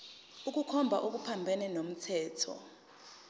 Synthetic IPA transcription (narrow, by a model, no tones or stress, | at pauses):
uk̬ukʰɔmbʱaʔok̬upʰambʱɛnɛnom̩tʰɛːtʰɔ̰